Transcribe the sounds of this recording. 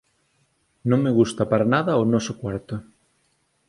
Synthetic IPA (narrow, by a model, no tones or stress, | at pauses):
nõŋmeɣust̪ɐpaɾanaðɐonɔsokwaɾt̪ʊ